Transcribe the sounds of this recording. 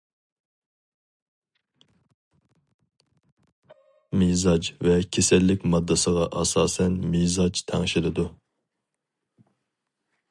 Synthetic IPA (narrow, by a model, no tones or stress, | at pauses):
mizɑd͡ʒvɛkʲʰesɛlːɪkʲmɑd̪ːɨsəʁɑʔɑsɑːsɛnmizɑt͡ʃt̪ʰɛŋʃilɨd̪u